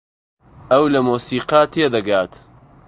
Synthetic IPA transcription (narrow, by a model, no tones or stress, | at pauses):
ɐwlɐmuːsiːqat̪ʰeːd̪ɐɡaːt̪